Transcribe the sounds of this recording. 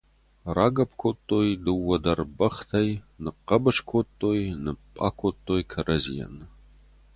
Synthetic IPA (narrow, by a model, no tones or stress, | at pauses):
raːɡɐp̚ʰkʷʰotʼːoːjdɨwːɐdɐrbɐχtʰɐjnɨqɐbɐʂkʷʰotʼːoːjnɨpʼa̰ːkʷʰotʼːoːjkʰɐrɐzḭjɛ̰nɨ